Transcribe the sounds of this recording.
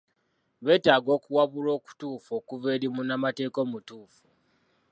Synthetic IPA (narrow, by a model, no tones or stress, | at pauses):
βe̞ːtaːɡo̞ːkuwaβulo̞ːku̥tuːfo̞ːkuveːɾimunamate̞ːko̞ːmutuːfu̥